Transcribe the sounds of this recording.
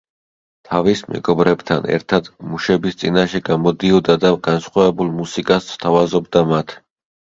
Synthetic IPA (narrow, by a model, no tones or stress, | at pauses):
t̪ʰavismɛ̰ɡɔbɾɛbt̪ʰa̰nɛ̰ɾt̪ʰad̪muʃɛbist̪sʼinaʃɛɡamɔd̪iɔd̪ad̪aɡ̥ansχwavɛbulˠmusikʼasst̪ʰavazɔbd̪amat̪ʰ